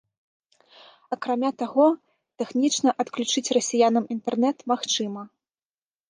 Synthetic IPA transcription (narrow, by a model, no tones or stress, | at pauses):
ɐkɾamʲat̪aɣɔ | t̪ɛxnʲit͡ʂnɐʔɐt̪klʲut͡ʂɨt͡sʲrɐsʲijanɐmint̪ɛrnɛt̪maxt͡ʂɨmɐ